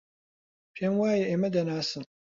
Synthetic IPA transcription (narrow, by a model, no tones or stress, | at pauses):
pʰɛnwaːjɛʔemɐd̪ɐnaːsɨn